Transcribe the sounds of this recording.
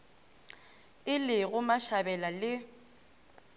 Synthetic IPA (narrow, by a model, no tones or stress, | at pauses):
ɪlɪɣʊmaʃabɛlalɪ